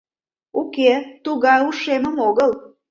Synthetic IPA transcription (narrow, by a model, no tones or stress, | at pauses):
uket̪uɣɑjuʃeməmoɣəl